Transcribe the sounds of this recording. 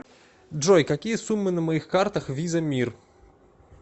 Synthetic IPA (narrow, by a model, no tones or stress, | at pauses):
ʐɔjkakʲijɐsumːɨnɐmajixkart̪ɐxvʲizɐmʲir